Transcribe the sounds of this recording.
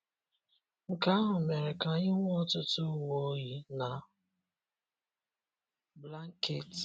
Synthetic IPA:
ŋ̩˨ka˦a˦ɦʊ˨me˨ɾe˨ka˨˦ɲɪ˦ŋʷ˦ɔ˦tʊ˦tʊ˦˨wo˦ɣi˦na˨ | bla˦ŋ˦ke˨t

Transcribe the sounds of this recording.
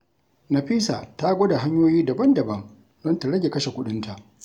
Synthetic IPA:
na˨ɸiː˦sa˨ta˦ɡʷo˦da˨ɦa˦ɲjoː˦jiː˦da˨bɐ˦ndɐ˨bɐ˦ŋ | zɔ˦nta˨ɽɐ˦ɡʲe˨kɐ˦ʃe˨kʷʊ˦ɗɪ˦nta˨ʔ

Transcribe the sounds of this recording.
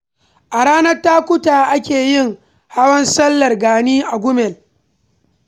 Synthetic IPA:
ʔa˨ɽaː˦nɐ˦rtaː˦kʷʊ˦taː˨ʔa˦kʲeː˨jɪ˦˨ŋ | ha˦wɐ˦nsɐ˦lːɐ˨rɡaː˨niː˦ʔa˨ɡʷʊ˦mɛ˨l

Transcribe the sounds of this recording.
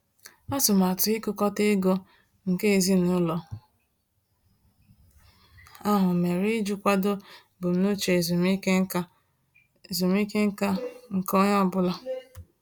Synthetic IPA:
a˦tʊ˨ma˨tʊ˨i˦kʊ˦˨kɔ˦te˦ɡo˦ | ŋ̩˨ke˦e˨zi˦nʊ˨˦lɔ˨ | a˦ɦʊ˨me˨ɾi˦d͡ʒu˦kʷa˦do˦ | bʊ˨m̩˦nʊ˦t͡ʃe˨zu˨mi˦e˦˨ | zu˨mi˦ke˦ŋ̩˦ka˦ŋ̩˨kɔ˦ɲ˦ɔ˦bʊ˦la˦

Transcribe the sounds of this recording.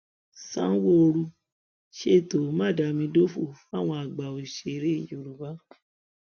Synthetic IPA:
sã̰˦wo˦o˧ɾu˧ | ʃe˦˨to˨˦mã˦˨da˨˧mĩ˧do˦fu˦˨fa˦˨w̃ɔ̃˧a˨ɡ͡ba˨o˨ʃe˨˦ɾe˦i˨jo˨˧ɾu˨˦ba˦

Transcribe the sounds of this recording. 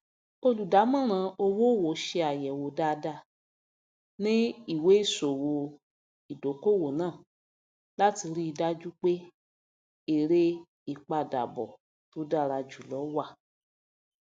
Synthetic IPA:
o˧lu˨da˨˦mã˦˨ɾ̃ã˧o˧wo˦˨wo˨˦ʃe˧a˨jɛ˨wo˧˦da˦da˧˨ | nĩ˦i˦˨we˨˦i˦˨so˨wo˧ | i˨do˨˦ko˦˨wo˨nãː˦˨ | la˦ti˧ɾi˦i˧da˦d͡ʒu˦k͡pe˦ | e˦˨ɾe˦ | i˦˨k͡pa˧˨da̰˨bɔ̰˨ | to˨˦da˦˨ɾa˧d͡ʒu˨lɔ˨˦wa˦˨

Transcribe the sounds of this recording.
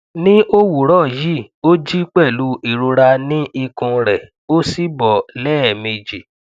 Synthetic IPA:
nĩ˦ʔo˦wu˨ɾɔ˦˨ji˦˨ | o˦d͡ʒi˦k͡pɛ˦˨lu˨˦ʔi˨ɾu˧ɾa˧nĩ˦i˧kũ˧ɾɛ˨ | o˦si˦bɔ˨lɛː˦ɛ˨me˧d͡ʒi˨

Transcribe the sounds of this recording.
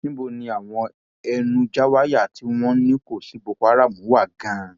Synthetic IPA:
nĩ˦bo˦˨nĩ˧a˨w̃ɔ̃˧ | ɛ˧nũ˧d͡ʒa˦wa˦ja˦˨tʰi˨˦w̃ɔ̃˦nĩ˦ko˦˨si˨˦bo˧kɔ˧a˦ɾa˦˨mũ˨˦wa˦˨ɡã˨˦

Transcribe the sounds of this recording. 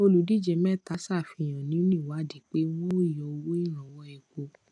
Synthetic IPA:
o˧lu˨˦di˦˨d͡ʒɛ˨˧˦mɛ̃˦˨ta˨˦sa˦˨fĩ˧j̃ã˨nĩ˨˦nĩ˦˨wa˨˦˨di˨˦k͡pe˦w̃ɔ̃˦˨jɔ˧˨˧wo˦i˦˨ɾ̃ã˨wɔ˦ɛ˧ko˧

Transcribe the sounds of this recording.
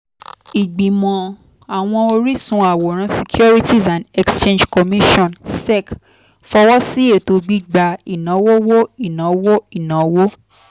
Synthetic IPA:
i˨ɡ͡bĩ˨mɔ̃˨ | a˨w̃ɔ̃˧o˧ɾi˦sũ˧˦a˨wo˨ɾ̃ã˨˧si˧kju˦ɾi˦ti˦sã˨ndɛ˦kst͡ʃẽ˦nd͡ʒkɔ˨mi˦ʃɔ̃˦˨nsɛ˦˨k | fɔ˧wɔ˦si˦e˦˨to˧ɡ͡bi˦ɡ͡ba˧i˨nã˨˦wo˦wo˦i˦˨nã˨˦wo˦i˦˨nã˨˦wo˦

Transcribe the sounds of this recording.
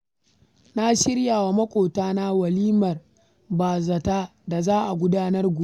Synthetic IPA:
na˦ʃɪ˦ɽjaː˨wa˨mɐ˦kʷʼoː˨taː˦na˦wɐ˨liː˦mɐ˨r | baː˨zɐ˨taː˦da˨zaː˦ʔa˨ɡʷʊ˦daː˦nɐ˦rɡʷʊ˨˦

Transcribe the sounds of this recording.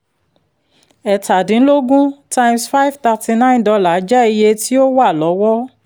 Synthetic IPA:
ɛ˨ta˨dĩ˨n̩˦lo˦ɡũ˦tã˧j̃msfa˦i˦vta˧ti˧nã˦˨ndɔ˧la˨˦d͡ʒɛ˦i˧je˧ti˦o˦wa˦˨lɔ˨˦wɔ˦

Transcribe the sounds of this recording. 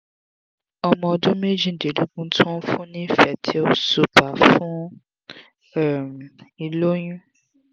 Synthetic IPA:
ɔ˧mɔ̃˧ɔ˧dũ˦me˦d͡ʒĩ˦˨de˨lu˦ɡũ˦tʰɔ̃˦fũ˦nĩ˦fɛ˨tʰi˦o˦su˨pa˨˦fũ˦ | ɛ˨m˨i˨lo˦j̃ũ˦

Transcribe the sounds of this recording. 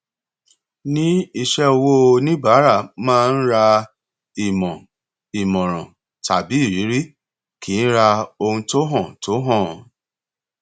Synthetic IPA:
nĩ˦i˧ʃɛ˦o˧wo˦˧nĩ˦ba˨˦ɾa˦˨mãː˦˧n̩˦ɾa˧ | i˨mɔ̃˨ | i˨mɔ̃˨ɾ̃ɔ̰̃˨ | ta̰˨bi˨˦i˦˨ɾi˨˦ɾi˦ | kiː˨˦n̩˦ɾa˧o˧hũ˧to˦ɦɔ̃˦˨to˨˦ɦɔ̃˦˨

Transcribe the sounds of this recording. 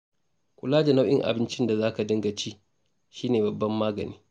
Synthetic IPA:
kʷʊ˨laː˦d͡ʒa˨na˦wʔɪ˦ŋʔa̰˨bɪ˦nt͡ʃɪ˦nda˨zaː˦ka˨dɐ˦ŋɡɐ˨t͡ʃiː˦ | ʃiː˦neː˨bɐ˨bːɐ˦mːaː˦ɡɐ̰˨niː˦

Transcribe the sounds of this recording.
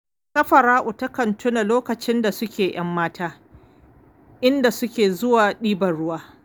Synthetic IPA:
sɐ˦ɸɐ˨ɾaː˦ʔʊ˨tɐ˦kɐ˨ntʰʊ˦na˨loː˦kɐ˨t͡ʃɪ˦nda˨sʊ˦kʲeː˨j̰ɐ˦mːaː˦tʰaː˦ | ʔɪ˦nda˨sʊ˦kʲeː˨zʊ˦waː˨ɗiː˦bɐ˨ɽʊ˦waː˦

